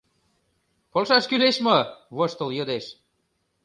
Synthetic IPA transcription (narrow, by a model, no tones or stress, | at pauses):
polʃɑʃkyleʃmɤβoʃt̪ə̆ljɤd̪eʃ